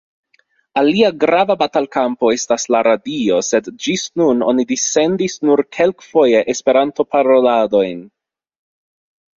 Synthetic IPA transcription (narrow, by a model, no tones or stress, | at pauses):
aliaɡɾavabatalkampo̞e̞staslaɾadio̞se̞dd͡ʒisnuno̞̰nidise̞ndisnuɾkʰe̞lkfo̞je̞ʔespe̞ɾanto̞paɾo̞lado̞jn